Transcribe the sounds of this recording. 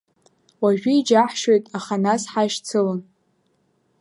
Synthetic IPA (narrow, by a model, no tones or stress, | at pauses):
waʒᶣʊid͡ʒaħʃojtʼaχanasħaʃt͡sʰɨlɨn